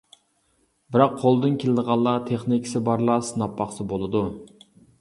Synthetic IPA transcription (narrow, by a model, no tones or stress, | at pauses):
bɪɾɑqːʰolˠd̪ɨnkʲʰelɪd̪əʁɑlˠːɑt̪ʰeχnikʲʰsɪbɑɾlˠɑsnɑpʰːɑχsɨbolˠɨd̪u